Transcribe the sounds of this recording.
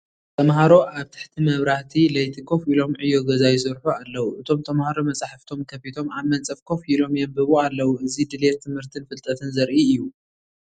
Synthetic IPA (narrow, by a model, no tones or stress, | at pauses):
t̪ʰɐmɦaɾo̞ʔaβt̪ʰɨ̥ħt̪ʰimɐβɾaht̪ʰilɐjt̪ʰɨkʰo̞filo̞mʕɨjːo̞ɡɐzajsɐɾħualːɐwuʔɨt̪ʰo̞mt̪ʰɐmhaɾomɐt͡sʼaħft̪ʰo̞mkʰɐfit̪ʰo̞maβmɐnt͡sʼɐfkʰo̞filo̞mijombɨβoalːɐwuʔɨzid̪ɨlett̪ʰːɨmhɨɾt̪ʰɨnfɨlt̪ʼɐt̪ʰɨnzɐɾʔiɨjːu